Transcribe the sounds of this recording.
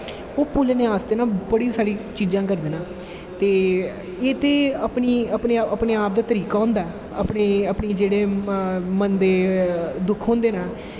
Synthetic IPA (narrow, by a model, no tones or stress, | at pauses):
oːpuːleːneːaːsd̪eːnaːbəɽiːsaːɾiːt͡ʃiːd͡ʒãːk̬əɾd̪eːnãː | t̪eː | eːt̪eːəpɳiːəpɳeːəpɳeːaːp̚d̪aːt̪əɾiːkaːɦʊ̃nd̪aː | ə̰pɳeːəpɳiːd͡ʒeːɽeːmənd̪eːd̪ʊkʰɦõːnd̪eːnaː